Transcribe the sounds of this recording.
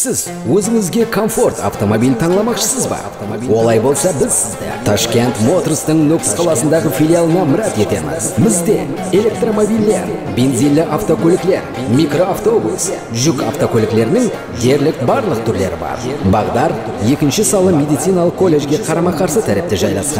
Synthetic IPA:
sɪz | wɵzɪŋɪzɡʲe̞kʰo̞ɱfo̞rt̪ɑ̰ft̪o̞mo̞bijlt̪ʰɑɴlˠɑmɑqʃə̥səzbɑ̰ | wo̞lˠɑjbo̞lˠsɑbɪz | t̪ʰaʃkʲe̞nt̪mo̞t̪rst̪əɴnɵkʲɪ̥sqʰɑlˠɑsənd̪ɑʁəfʲilʲijalˠənɑmɪɾɑt̪e̞t̪e̞̰mɪ̰zbɪzd̪e̞̰ | e̞lʲe̞k̚t̪ro̞mo̞bijlːe̞̰ɾbʲe̞nzijlːɪʔaft̪o̞kʲʰɵlɪkle̞̰ɾ | mʲikro̞aft̪o̞bṵlˠs | ʒʏka̰ft̪o̞kʲʰɵlɪkle̞ɾɪnɪŋ | d̪e̞ɾlɪk̚bɑɾlˠəq̚t̪ʰʏɾle̞̰ɾɪ̰bɑ̰ɾbɑʁd̪ɑɾ | je̞kʲɪnʃɪsɑlˠəmʲe̞d̪ijt̪sijnalˠəqkʰːo̞lʲːe̞ʒɡʲe̞qʰɑɾɑmɑqʰɑɾsət̪ʰæɾɪp̚t̪eʒɑjlˠɑ̰sqɑ̰n

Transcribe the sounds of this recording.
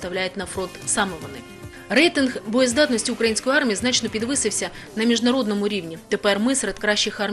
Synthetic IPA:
t̪ɐwlʲæjɪt̪̚ʲnɐfɾont̪samɔvɔnɨ̰ | rɛjt̪ɨnxbɔjɔzd̪at̪nɔsʲtʲiʊkɾɐjinsʲkɔjarmʲijiznat͡ʃnɔpʲid̪ʋɨsɨwsʲɐ | nɐmʲiʐdnɐɾod̪nɔmʊɾʲiʋnʲit̪ɛpɛrmɨsɾɛt̪kɾaɕːɪxarmʲ

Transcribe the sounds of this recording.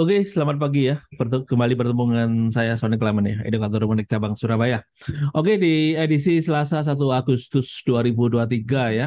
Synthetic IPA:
okesəlamat̪̚paɡijapərt̪kəmbalip̬ərt̪əmuŋansajasonɪklamənjaḛdokat̪ɔɾumənɪk̚t͡ʃabaŋsuɾabaja | ʔokediedisisəlasas̬at̪̬uaɡust̪ʊsd̥uaɾibuduat̪̬iɡaja

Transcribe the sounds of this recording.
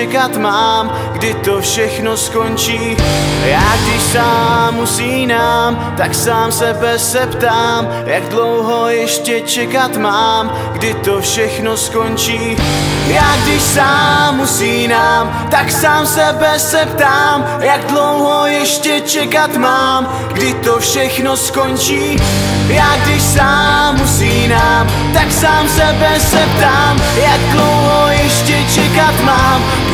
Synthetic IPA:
ɛkat̪maːm | ɡdɪt̪o̞fʃɛxno̞sko̞nt͡ʃiːjaːɡdɪʃsaːmːusiːnaːm | t̪aksaːmsɛbɛsɛpt̪aːm | jaɡdlowɦo̞jɛʃcɛt͡ʃɛkat̪maːm | ɡdɪt̪o̞fʃɛxno̞sko̞nt͡ʃiːjaːɡdɪʃsaːusiːnaːm | t̪aksaːmsɛbɛsɛpt̪aːm | jaɡdlowɦojɛʃcɛt͡ʃɛkat̪maːm | ɡdɪt̪ofʃɛxnosko̞nt͡ʃiːjaːɡdɪʃsaːusiːnaːm | t̪aksaːmsɛbɛsɛp̚t̪aːm | jaɡ̚dlowɦojɛʃcɛt͡ʃɛkat̪maːm

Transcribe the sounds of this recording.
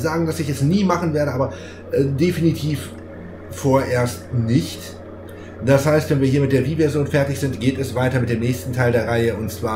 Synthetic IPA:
zaːɡŋ̩dasɪçɛsniːmaχn̩veːɐɾəʔaːbɐ | ʔɛdefinitʰiːf | foːɐʔeːɐstnɪçt | d̥ashaɪstv̥ɛnviːɐɦiːɐmɪt̚d̥eːɐviːvɛɐzjoːnfɛɐtɪçz̥ɪntɡ̥eːtɛsv̥aɪtɐmɪtdeːmnɛːçstn̩tʰaɪldeːɐʁaɪəʊntt͡sv̥aː

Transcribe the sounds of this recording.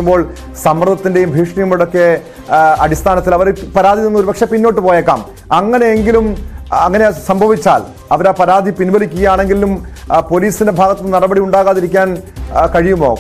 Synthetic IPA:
umbo̞ːɭ | sɐmrɐd̪ʱɐt̪ːinde̞jumbʱiːʂɳijumɐɽo̞kːe̞ | ɐdist̪ʰaːnɐt̪ːilɐʋɐɾpɐɾaːd̪ʱininːoɾubɐkʂepinːo̞ːʈːɨpoːjeːkːa̰ːm | ɐŋːɐne̞eŋɡilumɐŋːɐne̞sɐmbʱɐʋit͡ɕːa̰ːl | ɐʋɐɾaːpɐɾaːd̪ʱipinbɐlikʲːuɣɐjaːɳe̞ŋɡilːum | po̞liːsinde̞bʱaːɣɐt̪ːɨnirɐbɐɽiuɳɖaːɣaːðiɾikʲːaːnkɐɻijumo̰ː

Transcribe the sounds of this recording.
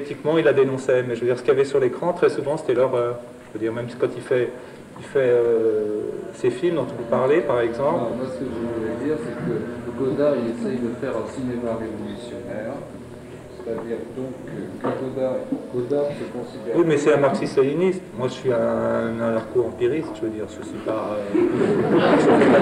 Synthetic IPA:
it̪ikmɑ̃ilːad̪enɔ̃sɛmɛʒəvəd̪iʁsə̥kʲiavɛsyʁlekχɑ̃t̪χɛsuvɑ̃se̥t̪ɛlœʁøʁ | ʒ̥əvød̪iʁmɛmskɑ̃t̪ilfɛ | ilfɛø | sefilmd̪ɔ̃t̪ũpaʁlepaʁɛɡzɑ̃pɔmwasə̥kəʒəvulɛd̪iːʁsɛkəəɡod̪ailesɛjd̪əfɛʁɛ̃simemaʁevɔlysjɔnɛːʁ | set̪ad̪iːʁd̪ɔ̃kkɡod̪aɡod̪asəkɔ̃sid̪ɛwimɛsɛɛ̃maʁksist̪alinist̪mwaʒəsɥiɛ̃nɛ̃aʁkoɑ̃piʁist̪ʒ̥əvød̪iːʁsəsipaø

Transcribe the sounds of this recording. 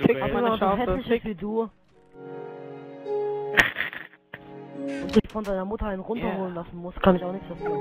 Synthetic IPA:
ʔḁamaaohɛslɪçəsviːduː | d̥uɪçfɔndaɪnɐmʊtɐaɪnʁʊntɐhoːlənlasn̩mʊstkʰanɪçaʊxnɪçtz̥ofa

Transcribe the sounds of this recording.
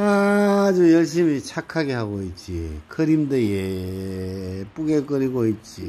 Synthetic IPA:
ad͡ʑujʌɭɕ̬͈imit͡ɕʰakʰaɡe̞ɦaɡoit̚t͡ɕ͈ḭkʰɯɾimdeje | p͈uɡek͈ʌɾiɡoit̚t͡ɕ͈i

